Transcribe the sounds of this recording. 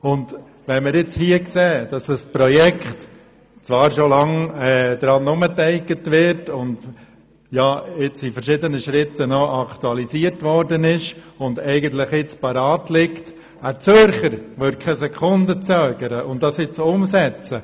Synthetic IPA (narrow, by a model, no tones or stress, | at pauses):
ʊnd | ʋɛnmɪɾɪt͡shiəkseːd̥ɑsəspɾɔjɛkχt | t͡sʋɑːɾʃolɑŋɛːd̥̪ɾɑnʊmətɛɪkətʋɪɾtʊnd̪ | jɑːɪt͡sifəɾʃɪdənəʃɾɪtənɔʔɑktuɑlisiərtʋɔɾdənɪʃ | ʊndɛɪɡənt̪lɪχɪt͡spɑɾɑːtlɪkt | ət͡søɾχəɾʋʏd̚kʰɛsɛkʰʊndət͡sœːɡ̥əɾəʔʊnddɑsɪt͡sʊmsɛt͡sə